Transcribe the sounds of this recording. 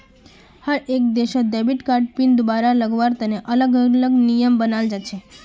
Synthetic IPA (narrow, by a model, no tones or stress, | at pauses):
həɾek̚d̪eʃod̪ebiʈkaɾɖ̚pind̪baɾaləɡʋaɾt̪əneʔələɡələɡnijəmbənald͡ʒat͡ʃʰe